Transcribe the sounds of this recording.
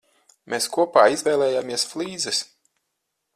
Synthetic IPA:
mʔeskuɔpaːizvʲɛːlˠɛːjaːmiɛsflˠiːd̪zɛs

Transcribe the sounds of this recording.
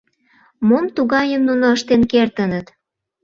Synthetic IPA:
momt̪uɣɑjəmnunoəʃt̪enkert̪ənət̪

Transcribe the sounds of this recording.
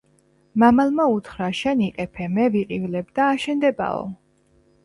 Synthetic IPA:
mamalˠmaut̪ʰχɾaʃɛniqʼɛpʰɛmɛviqʼivlɛbd̪aːʃɛnd̪ɛba̰ɔ̰

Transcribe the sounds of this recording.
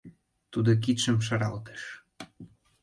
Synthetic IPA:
t̪ud̪ok̬it̪ʃə̆mʃ̬ɑɾɑlt̪e̥ʃ

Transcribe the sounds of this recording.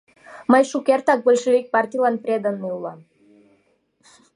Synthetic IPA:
məjʃukʲert̪ɑk̚bəlʲʃevʲik̚pɑrt̪ʲijlɑnpɾʲed̪ənːəulˠɑm

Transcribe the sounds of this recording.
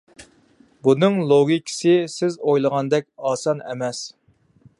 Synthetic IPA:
bunɨŋlˠoɡʲikʲʰɪ̥sɪsɪzojlˠəʁɑnd̪ɛkʲɑːsɑnɛ̰mɛs

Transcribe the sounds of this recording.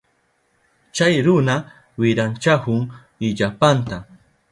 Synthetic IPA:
t͡ʃajɾʊna | wɪɾant͡ʃahʊŋ | ɪʎapant̪a

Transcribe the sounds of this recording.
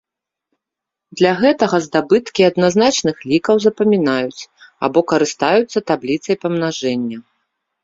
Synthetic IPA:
d̪lʲɐɣɛt̪ɐɣɐzd̪abɨt̪kʲiɐd̪naznat͡ʂnɨxlʲikɐwzɐpɐmʲinajut͡sʲa̰bɔkɐɾɨst̪ajut̪sːɐt̪ablʲit̪sɐjpɐmn̪aʐɛnʲːɐ

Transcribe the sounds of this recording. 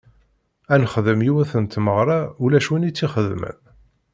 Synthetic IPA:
ænχəðəmjiwæθənt̪məʁɾˤɑulæʃwinit͡sːiχəðmə̰m

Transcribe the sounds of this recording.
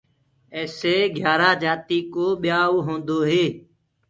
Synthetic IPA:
eːseːɡʱjaːɾaːd͡ʒaːt̪iːkoːɓɪjaːoɦõːnd̪oːɦeː

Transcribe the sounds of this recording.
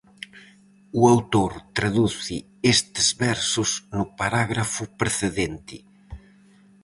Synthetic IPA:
uawt̪oɾt̪ɾaðuθɪ | est̪ezβɛɾsʊsnʊpaɾaɣɾafʊpɾeθeðent̪ɪ

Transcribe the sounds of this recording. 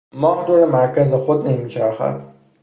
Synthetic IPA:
mɒːhd̪oɾemaɾkazexod̪nemit͡ʃʰaɾxa̰d̪

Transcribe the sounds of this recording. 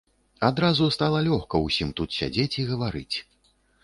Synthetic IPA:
ad̪ɾazust̪alˠɐlʲɔxkɐwsʲimt̪ut̪sʲa̰d͡zʲet͡sʲiɣɐvaɾɨ̰t͡sʲ

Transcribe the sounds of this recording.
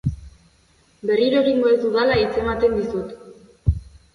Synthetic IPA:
be̞riɾoɾimoeðuðalait͡se̞mat̪e̞nd̪isut̪

